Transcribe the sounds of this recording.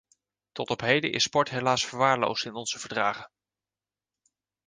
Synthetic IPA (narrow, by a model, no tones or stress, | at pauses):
tɔtɔpɦejdə̰ʔɪ̰sːpɔɹtɦelaːsfəɹʋaːɹlo̰wstɪnɔnz̥əvəɹdraːχən